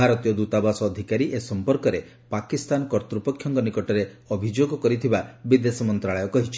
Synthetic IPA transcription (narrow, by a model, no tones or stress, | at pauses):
bʱaɾɔt̪ijɔd̪ut̪abasɔːd̪ʱikaɾiʔesɔmpɔɾkɔɾe | pakist̪anɔkɔɾt̪ɾupɔkʰːjɔŋkɔnikɔʈɔɾe | ɔbʱid͡ʒoɡɔkɔɾit̪ʰibabid̪esɔmɔnt̪ɾaɭɔjɔkɔɦit͡ʃʰi̥